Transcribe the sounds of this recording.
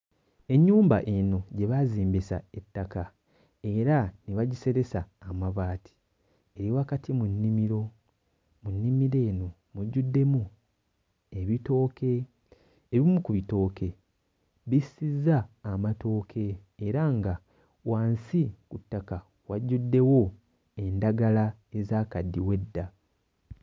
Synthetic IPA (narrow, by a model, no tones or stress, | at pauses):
e̞ɲːuːmba̰ʔeno̞ɟe̞βaziːmbisa̰e̞tːaka | e̞ɾaniβaɟise̞ɾe̞saːmaβaːtʰi̥ | e̞ɾiwakatʰimunːimiɾo̞ | munːimiɾe̞ːno̞ | muɟːudːe̞mu | e̞βito̞ːkʰe̞ː | βimukuβito̞ːke̞ | βisizːaːmato̞ːkʰe̞ːɾaŋɡa | waːnsikutːaka | waɟːudːe̞wo̞ | e̞ndaɡala | e̞zaːkadːiwe̞dːa